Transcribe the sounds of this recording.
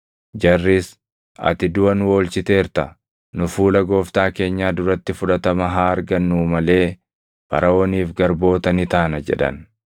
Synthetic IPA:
d͡ʒɐrːis | ɐ̰t̪ɪd̪ʊwɐnwo̞ːlt͡ʃɪt̪e̞ːɾt̪ɐ | nʊfuːlɐɡo̞ːft̪aːke̞ːɲːaːd̪ʊɾɐt̪ːɪfʊᶑɐt̪ɐmɐɦaːɾɡɐnːuːmɐle̞ː | pɐ̰ɾʔɐoːniːfɡɐɾbo̞ːt̪ɐnɪt̪aːnɐd͡ʒɛ̰ᶑɐ̰n

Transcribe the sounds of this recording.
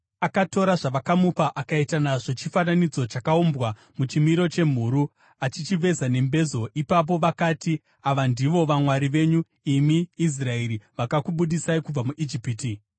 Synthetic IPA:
akato̞ɾaʐaʋakamupaʔakaitanaʐo̞t͡ʃifananid͡zo̞t͡ʃakaombwa | mut͡ʃimiɾo̞t͡ʃe̞m̤uɾu | at͡ʃit͡ʃiʋe̞zane̞mbe̞zo̞ʔipap̬o̞ʋakaːti | aʋandiʋo̞ʋamwaɾiʋe̞ɲu | imiːs̬raeɾiʋakakuɓuɗisaikub͡vamuʔid͡ʒipiːti

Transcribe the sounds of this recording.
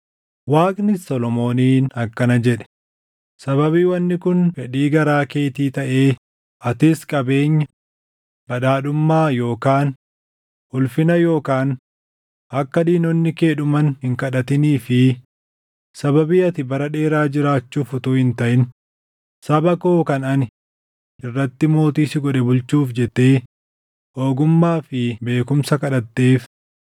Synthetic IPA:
waːkʼnɪsɔlɔmo̞ːniːnɐkːɐnɐd͡ʒɛᶑɛ̥ | sɐβɐbiːwɐnːɪkʊnfɛᶑiːɡɐɾaːkeːt̪iːt̪ɐʔeː | ʔɐt̪ɪskʼɐbe̞ːɲːɐ | b̥ɐᶑaːᶑʊmːaːjo̞ːkaːn | hʊlfɪnɐjo̞ːkaːn | ʔɐkːɐd̪iːnɔnːɪke̞ːᶑʊmɐnhɪŋkɐᶑɐt̪ɪniːfɪ | sɐbɐbiːɐt̪ɪbɐɾɐᶑe̞ːɾaːd͡ʒɪɾaːt͡ʃːuːfʊt̪uhɪnt̪ɐʔɪn | sɐbɐkoːkɐnɐnɪ | ʔɪrːɐt̪ːɪmo̞ːt̪iːsɪɡɔᶑɛbʊlt͡ʃuːfd͡ʒɛt̪ːeː | oːɡʊmːaːfɪbe̞ːkʊmsɐkɐᶑɐt̪ːe̞ːf

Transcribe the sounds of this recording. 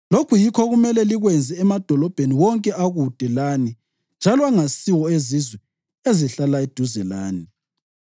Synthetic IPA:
lokʰujikʰɔɣumɛlɛliɣwɛnd͡zʱɛːmad̥ʱɔlɔb̥ʱeniwɔŋkʼɛaɣud̥ʱɛlani | nd͡ʒʱalɔaŋasiwɔezizwɛ | eziɬalaed̥ʱuzɛla̰ːni

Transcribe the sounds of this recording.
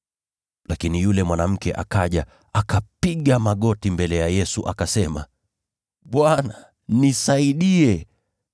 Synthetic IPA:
lakinijulɛmwanam̩kɛʔa̰kaʄa | akapiɠamaɠɔtimbɛlɛjajɛsuʔakasɛma̰ | ɓwana | nisaiɗiɛ

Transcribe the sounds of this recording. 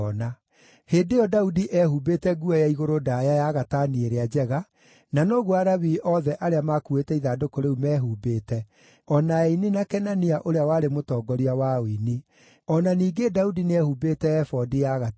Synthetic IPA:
ɔna | heːdejɔdaudiʔɛhubeːtɛɡuajaiɣoɾodajajaɣataːnieɾead͡ʑɛɣa | nanoːɣuaɾaβiʔɔðɛʔaɾeamakuetɛiðadokoɾeumɛːɦubeːtɛ | ɔnaɛinenakɛnaniaʔoɾeawaːɾemotɔːɡɔɾiawaoini | ɔnaniːɡedaudineɛhubeːtɛːfɔdijaɣa

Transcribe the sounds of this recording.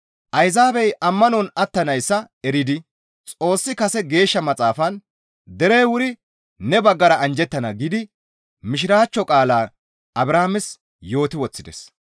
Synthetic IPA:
ʔɐjzaːbɛjʔɐmːɐnɔnɐt̪ːɐnɐjsːɐ | ɛɾɪd̪ɪ | t͡sʼo̞ːsːɪkɐsɛɡe̞ːʃːɐmɐt͡sʼaːfɐn | d̪ɛɾejwʊɾɪ | nɛbɐɡːɐɾɐʔɐnd͡ʒɛt̪ːɐnɐɡɪd̪ɪ | mɪʃ̬ɪɾaːt͡ʃːɔkʼaːlaː | ɐbɾaːmɪs | jo̞ːt̪ɪwɔt͡sːɪd̪ɛ̰s

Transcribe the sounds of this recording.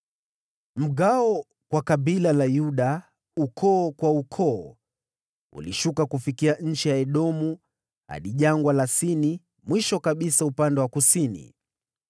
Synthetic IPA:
m̩ɠaɔ | kwakaɓilalajuɗa | ukʰɔːkwaukʰɔː | ṵliʃukakufikiaɲ̩t͡ʃijaɛɗɔmu | ha̰ɗiʄaŋɡwalasini | mwiʃɔkaɓisaupandɛwakusinḭ

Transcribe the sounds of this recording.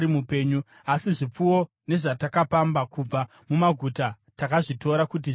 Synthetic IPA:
imupe̞ːɲu | asiʐip͡fuwo | ne̞ʐatakapambakub͡va | mumaɡʱuta | takaʐito̞ɾakut̬i

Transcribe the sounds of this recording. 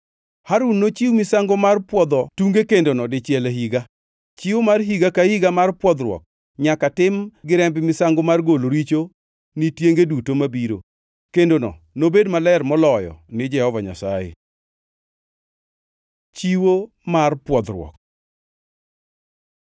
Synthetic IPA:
haɾunːot͡ʃiwmɪsaŋɡomarpwɔd̪ɔtuŋɡekendonɔdɪt͡ʃjɛleɦiɡa | t͡ʃiwomarɦiɡakahiɡamarpwɔd̪ɾwɔ̰k̚ | ɲakatɪmɡɪɾɛmbɪmɪsaŋɡomarɡoloɾit͡ʃo | nitjeŋɡedutomabiɾo̰ | kendonɔ | nobedmalɛrmɔlɔjɔ̰nɪd͡ʒɛhɔvaɲa̰sa̰jḛ | t͡ʃiwo | marpwɔd̪ɾwɔ̰k̚

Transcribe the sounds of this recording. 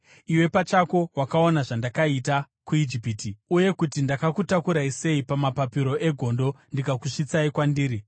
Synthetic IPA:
iwe̞pat͡ʃako̞wakao̞naʐandakaita | kuid͡ʒipiːtiuje̞kutindakakutakuɾaise̞ipamapapiɾo̞ʔe̞ɡʱo̞ndo̞ndikakuʂit͡saikwandiːɾi

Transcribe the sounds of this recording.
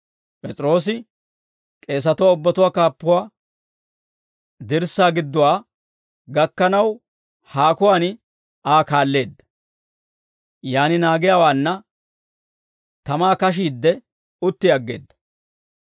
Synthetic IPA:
pʼɛt͡sʼɾo̞ːs̬ɪ | kʼe̞ːs̬ɐt̪ʊwaːʊbːɐt̪ʊwaːkaːpːʊwaː | d̪ɪɾsːaːɡɪd̪ːʊwaː | ɡɐkːɐnɐw | haːkʊwaːnɪ | aːkaːlːe̞ːd̪ːɐ̥ | jaːnɪnaːɡɪjaːwaːnːɐ | t̪ɐmaːkɐʃ̬iːd̪ːɛ | ʊt̪ːɪɐɡːe̞ːd̪ːɐ̥

